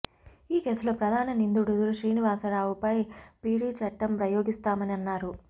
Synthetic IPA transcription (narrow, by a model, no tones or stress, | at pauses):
iːke̞ːsuloːpɾɐd̪ʱaːnɐnind̪uɽud̪uɾuʃɾiːniʋaːsɐɾaːʋupɐjpiːɽiːt͡ʃɐʈːɐmpɾɐjoːɡist̪aːmɐniɐnːaːɾu